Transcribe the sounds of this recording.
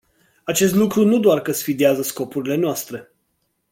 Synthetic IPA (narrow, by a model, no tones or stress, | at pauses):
at͡ʃe̞st̪lukɾunud̪oarkəsfid̪ieazəsko̞puɾile̞noast̪ɾe̞